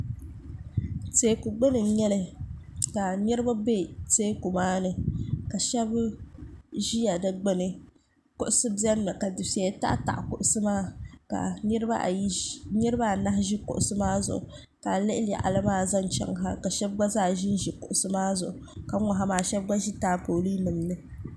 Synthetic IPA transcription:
teː˨˦ku˨ɡ͡bɨ˦nɨ˨˦ɲɛ˦lɨ˦ka˨nɨ˦ɾɨ˦ba˦be˦teː˦ku˨maː˦nɨ˨ka˨ʃɛ˦b | ʒi˦ja˨dɨ˦ɡ͡be˦nɨ˨ | kʊ˦ʔʊ˦sɨ˦bi˦ɛ˦nː˦ɨ˨ka˨dɨ˨fe˨˦ta̰˦ʔta̰˨ʔkʊ˨ʔʊ˦sɨ˦maː˦ka̰˨ɨ˦ɾɨ˦ba̰˦˨˦nɨ˦ɾɨ˦ba˦˨na˦ɦʒi˦kʊ̰˨ʔʊ˦sɨ˦maː˦zʊ̰˨ʔʊ̰˨ | ka˨lɨ˦ʔɪ˦la̰˨ʔa̰˨lɨ˦maː˦za˦n˨t͡ʃɛ̰˦ŋ˨ɦa˦ka˨ʃɛ˦b̚ɡ͡ba˦zaː˦˨ʒi˦n˦ʒi˨kʊ̰˨ʔʊ˨˦sɨ˦maː˦zʊ˨ʔʊ˨ka˨ŋɔ˨ɦa˨maː˨ʃɛ˦b̚ɡ͡ba˦ʒi˦taː˦po˨liː˦mɨ˨n˨nɨ˦

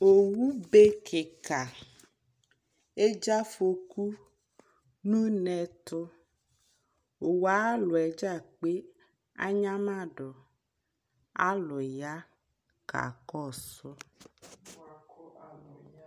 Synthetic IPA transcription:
o˨wu˦be˦kʰɪ˨ka˨ | e˦d͡ʒa˦fo˨ku˦ | nũ˦nɛ˨t̪ʊ˦ | o˨wa˦lʊ˨ɛ˨d͡ʒa˦˨k͡pe˦ | a̰˦ɲã˦mã˦˨ɖɔ˨ | a˦lʊ˨ja˦ | ka̰˨kɔ˦˨sʊ˦

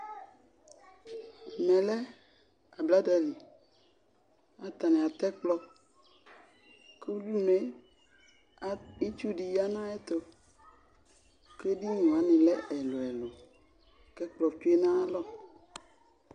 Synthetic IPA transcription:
mɛ̃˨lɛ˦ | a˨bla˦da˨li˨ | a˨t̪a˨nɛ̃˨a˨t̪ɛ˦k͡plɔ˦ | ke˦u˦ɖu˦me˦ | i˦t͡ʃu˦ɖi˨ja˦nã˦e˦t̪ɔ˨ | ke˦ɖi˦nũ˨a˨nĩ˨lɛ˦ɛ˨lo˨ɛ˨lo˨ | kɛ˦k͡plɔ˨t͡ʃu˦e˦nã˦a˦lɔ˦˨

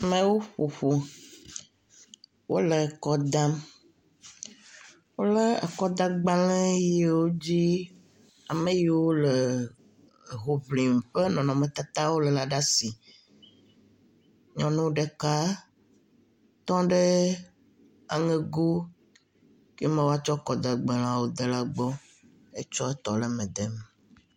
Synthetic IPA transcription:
mɛ̃˦wo˦ɸo˨ɸo˨ | wo̰˦le˨kɔ˦d̪a˦m | wo˦lə˦ə˨kɔ˦d̪ã˦ɡ͡ba˦lɛ̃˦je˦wo˦d͡ʑi˦ | a˨me˦ji˨wo˦lə˨ | ɦo˨vli˨m̩˨ɸə˦nɔ̃˨nɔ̃˨mẽ˨t̪a˦t̪a˦wo˦lə˨la˨ɖa˦si˨ | ɲɔ̃˦nũ˦ɖe˦ka˦ | t̪ɔ̃˦ɖe˦ | a̰˨ŋe˦ɡo˦ | ke˦mẽ˦˨wo˦a˦t͡ʃɔ˦kɔ˨d̪a˨ɡ͡bɛ˨l̃ã˦wo˦d̪e˨la˦ɡ͡bɔ˦ | e˦t͡ʃɔ˦e˦t̪ɔ˨lə˦mɛ̃˨d̪e˦m˨

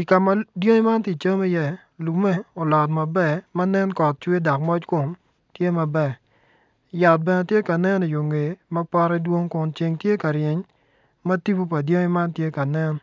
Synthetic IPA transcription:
i˨ka˨ma˨djo˦ŋi˦ma˦nti˨t͡ʃɐ˦mi˦jɛ˦ | lu˨mɛ˦ɔ˨lɔ˨tma˨bɛ˦˨ma˦nɛ˦nkɔ˨t̚t͡ʃwe˦dɔ˨k̚mɔ˦t͡ʃkʊ˨m | tje˦ma˨bɛ˨ | ja˨t̚bɛ˨nɛ˨tje˦ka˨nɛ˦ni˨jo˨ŋe˨ma˦pa˦ɾɛ˦dwo˦ŋkʊ˨nt͡ʃe˨ŋtje˦ka˨ɾjɪ˨ɲ | ma˦ti˦bo˦pa˨djo˦ŋi˦ma˦ntje˦ka˨nɛ˦n

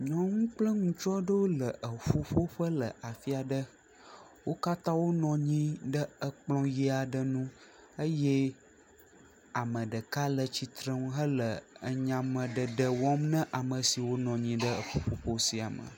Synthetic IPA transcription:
ɲɔ̃˨ŋũ˦k͡plə˦ŋũ˨t͡ʃɔ˦ɖə˦wo˦lə˨ʔə˨ɸu˦ɸo˦ɸə˦lə˨ʔa˨fi˦a˨ɖə˦ | wo˦ka˦t̪ã˦wo˦nɔ̃˨ɲĩ˦ɖə˦ə˨k͡plɔ̃˦je˦a˨ɖə˦nũ˦ | ə˦je˦ | a˨mə̃˨ɖə˨ka˦lə˨t͡ɕi˨t̪ɾə̃˦ŋ˦ɦə˦lə˨ə˨ɲã˨mə̃˨ɖə˨ɖə˨wɔ˦mnə̃˦ʔa˨mə̃˨si˨wo˦nɔ̃˨ɲĩ˦ɖə˦ə̰˨fo˦ɸo˦ɸo˦si˨a̰˨mə̰̃˨

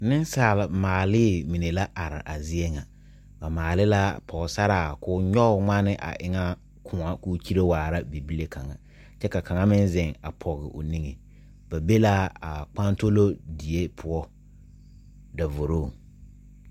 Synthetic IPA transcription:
nɪ˦n˦saː˨la˨maː˨lɪː˦˨mi˨ne˨la˦ʔa˨ɾɪ̰˨ʔa˨zɪ˦ɛ˦ŋa˨ | ba˨maː˨lɪ˦la˦pʰɔ˨ɣsa˦ɾaː˨kʊ˦ɲɔ˦ʊ˨ŋ͡ma˦nɪ˦ʔa̰˨ʔɪ˦ŋa˦ | kʰʊ˨ŋa˦kuː˦t͡ʃi˦ɾe˦waː˨ɾa˦bi˨bi˦le˦kʰa˨ŋa˨ | t͡ʃɛ˦ka˨kʰa˨ŋa˦mɪ˦nzɪ˨ŋa̰˨pʰɔ˨ɣɪ̰˨ʔʊ̰˨ni˦ŋe˨ | b̥a˨be˦la˦a˨k͡pa˦nto˦lo˦di˨e˦pʰʊ˦ɔ˦ | da˨vʊ˨ɾoː˦˨

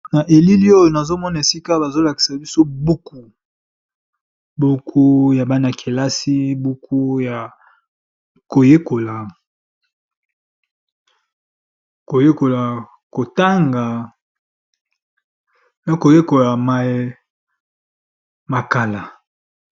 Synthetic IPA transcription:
na˨ʔe˨li˦li˦o˦jo˨na˨zo˦mɔ˦na˨e˨si˦ka˦ba˨zo˦la˨ki̥˨sa˨bi˦so˦bu˦ku˨ | bu˦kʰu˦ja˨ba˦na˨kʰe˨la˦si˦bu˦kʰu˦ja˨ | ko˨je˦ko˨la˨ | ko˨je˦ko˨la˨ | ko˨ta˦ŋɡa˨ | na˨ko˨je˦ko˨la˨ma˨e˨ | ma˨ka˨la˨

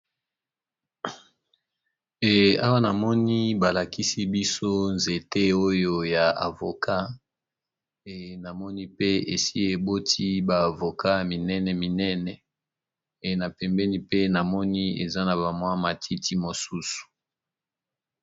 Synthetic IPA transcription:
e˨a̰˦wa˦na˨mɔ˦ni˦ba˨la˨ki˦si˦bi˦so˦nze˨te˦o˦jo˦ja˨a̰˨vo˨kʰa˦ | e˨na˨mɔ˦ni˦pe˦e˨si˦e˨bo˦tʰi˦baː˨vo˨ka˦mi˨nɛ˦nɛ˨mi˨nɛ˦nɛ˨ | e˨na˨pɛ˨mbɛ˦ni˦pe˦na˨mɔ˦ni˦ḛ˨za˦na˨ba˨mwa˦ma˨tʰi˦ti˦mo˨su˦su̥˨

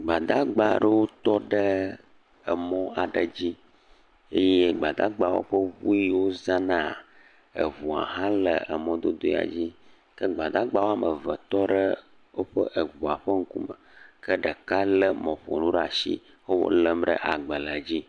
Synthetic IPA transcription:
ɡ͡ba˨d̪a˦ɡ͡ba˦˨ɖə˦wo˦t̪ɔ˦ɖə˦ | ə˨mɔ̃˦a˨ɖə˨d͡ʑi˦ | e˦je˦ɡ͡ba˨d̪a˦ɡ͡ba˦wo̰˦ɸə˦wu˦i˦wo˦zã˦nã˦˨ | ə̰˨vu˨a̰˨ɦã˦lə˨ə˨mɔ̃˦d̪o˦d̪o˦ḭ˦˨a̰˨d͡ʑi˦ | kə˦ɡ͡ba˨d̪a˦ɡ͡ba˦wo˦a˦mə˨və˨t̪ɔ˦ɖə˦ | wo˦ɸə̰˦ʔə˨vu˨a˨ɸə˦ŋ̩˦kṵ˦mə˨kə˦ɖə˨ka˦lə˦mɔ̃˨ɸo̰˨nũ˦ɖə˦a˨ʃḭ˦ | wo˦wo̰˦lə˦mɖə̰˦ʔa˨ɡ͡bə˨lə˨a˨d͡ʑi˦

